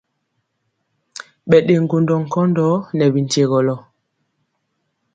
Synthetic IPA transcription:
ɓɛ˨ɗe˨ŋ˨ɡo˨ndɔ˨ŋ̩˨kɔ˦ndɔ˦nɛ˨bi˨n̩˨te˨ɣɔ˨lɔ˨

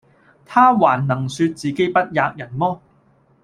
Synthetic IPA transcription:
t̪ʰaː˥waː˨˩nːɐ˨˩ŋsyː˧t̚t͡siː˨ke˥jpɐ˥t̚jaː˧k̚jɐ˨˩nmɔː˥

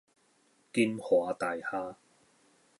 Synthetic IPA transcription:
kiː˧˥nhɔː˨˦t̪aː˨jhaː˥

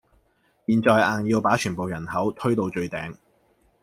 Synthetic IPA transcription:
piː˨nt͡ʃɔː˧jaː˨˩njiː˧wpaː˨˥t͡ʃʰyː˨˩npo˨wjɐ˨˩nhɐ˨˥wt̪ʰɵ˥ɥt̪o˧wt͡ʃɵ˧ɥt̪ɛː˨˧ŋ

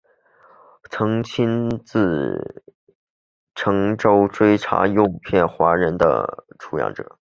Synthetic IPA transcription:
t͡sʰɤ˧˥ŋt͡ɕʰi˥nt͡sɹ̩˥˩ | ʈ͡ʂʰɤ˧˥ŋʈ͡ʂo˥ʊʈ͡ʂwe˥ɪʈ͡ʂʰa̰˧˥jo˥˧ʊpʰjɛ˥˩nxwa˧˥ɻə˧˥nd̪ə̰˧ʈ͡ʂʰu˧˥jɑ̰˥˩ŋʈ͡ʂɤ̰˨˩˦

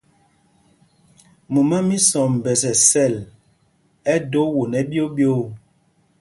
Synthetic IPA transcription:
mu˨ma˦mi˦sɔ˨m̩˨bɛ˨sɛ˨sɛ˦˨l | ɛ˦do˦wo˨nɛ˨bjo˦bjo˦˨

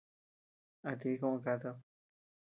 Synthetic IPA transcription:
a˨t̪i˦kõ˦˧kat̪o˦˧

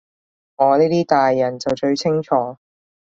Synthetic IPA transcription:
ŋɔː˨˧niː˥t̪iː˥t̪aː˨jːɐ˨˩nt͡sɐ˨wt͡ʃɵ˧ɥt͡sʰɪ˥ŋt͡ʃʰɔː˨˧

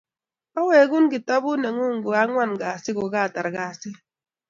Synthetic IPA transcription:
o˦we˨ɡu˦n˦ɡi˨tɔ˦bu˦ne˨ŋu˦ŋ̩˨ɡo˨a˦ŋʷa˦˨nɡa˨si˦ɡo˨ɡa˦˨ta˨ɾɡa˨si˦

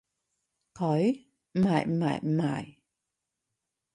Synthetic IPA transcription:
kʰɔ˨˩˦j | ma̰ː˨jma̰ː˨jma̰ː˨˧˩j

